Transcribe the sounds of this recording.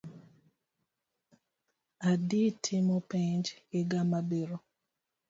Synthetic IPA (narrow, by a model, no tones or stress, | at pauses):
aditʰɪmɔpiɲd͡ʒɡɪɡamabiɾo